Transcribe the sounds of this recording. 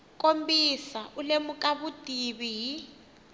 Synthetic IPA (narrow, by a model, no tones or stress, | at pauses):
kʼombisaulemukʼaβutʼiβiɦi